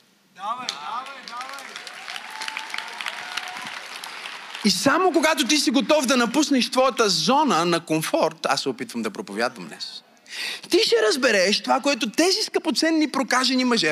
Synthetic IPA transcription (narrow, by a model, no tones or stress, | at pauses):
isamok̬oɡat̪ot̪̬isiɡot̪ɔvd̪ɐnɐpusnɛʃt̪vɔjət̪əzɔnənɐkoɱfɔɾt̪asːɛopit̪vəmd̪ɐpɾopovʲja̰d̪vɐmnɛ̰s | t̪iʃɛɾɐzbɛɾɛʃt̪ovakoɛt̪ot̪ɛziskɐpot̪sɛnːipɾokaʒɛnimɐʒɛ